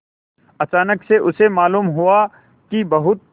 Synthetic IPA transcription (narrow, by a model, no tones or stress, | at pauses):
ɐt͡ʃaːnəkseʔʊsemaːluːmɦʊa | kibɐɦʊt̪̚